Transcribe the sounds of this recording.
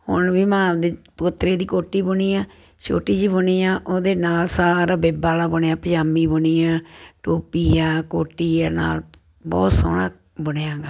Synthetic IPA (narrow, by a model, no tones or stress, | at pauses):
hʊnʋiːmãːd̪eːpʊt̪ːɾeːd̪iːkoːʈːiːbʊniːjaː | t͡ʃo̰ːʈiːd͡ʒiːbʊniːjãːʔoːd̪eːnaːlsaːɾaːbeːbaːlaːbʊnːãːpəd͡ʒaːmiːbʊniːãːʈoːpiːaːkoːʈːiːaːna̰ːl | bɔ̰ːt̪so̰ːɽa̰ː | bʊnjãːɡaː